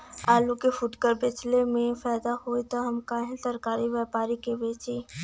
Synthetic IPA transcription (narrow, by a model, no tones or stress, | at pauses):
aːlukefʊʈkəɾbɪt͡ʃlemẽfɛːd̪ahoːit̪oɦɐmkaːɦẽsɐɾkaːɾiʋjɛːpaːɾikebeːt͡ʃiː